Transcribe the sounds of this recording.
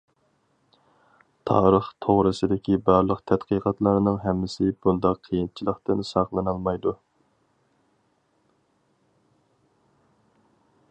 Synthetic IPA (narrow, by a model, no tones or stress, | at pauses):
t̪ʰɑ̰ːɾəχt̪ʰoʁɾɨsɨd̪ɪkʲibɑɾlˠəqt̪ʰɛt̪qʰiqʰɑt̪lˠɨɾɨnɨŋɦɛmːɪsɪb̥und̪ɑqʰːijint͡ʃʰilˠəχt̪ɨnsɑqlˠɨnɑlˠmɑjd̪u